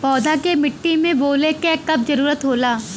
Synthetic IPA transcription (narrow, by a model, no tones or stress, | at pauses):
pɔːd̪ʱakemɪʈːimẽboːlekɛːkɐbd͡ʒɐɾuːɾət̪ɦoːlaː